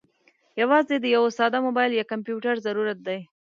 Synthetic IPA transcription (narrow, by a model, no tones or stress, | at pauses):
jawɑzed̪əjawosɑd̪amobɑjljɑkampjuʈaɾzaɾuɾat̪̚d̪aj